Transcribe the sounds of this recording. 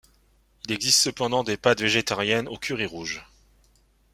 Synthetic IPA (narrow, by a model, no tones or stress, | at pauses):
ilɛɡzist̪səpɑ̃d̪ɑ̃d̪epad̪veʒet̪aʁjɛnokʰʲyʁiʁuʒ